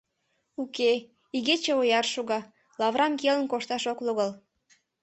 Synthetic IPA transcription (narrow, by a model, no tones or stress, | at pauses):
uke | iɣet͡ɕeojɑrʃuɣɑ | lɑβɾɑmkelənkoʃt̪ɑʃokluɣəl